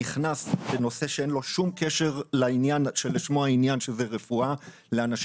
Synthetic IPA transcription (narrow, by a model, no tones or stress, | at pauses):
iχnasbeno̞se̞ʃeenlo̞ʃumkeʃe̞ʁlainjanʃeleʃmoainjanʃezeʁefua | leanaʃ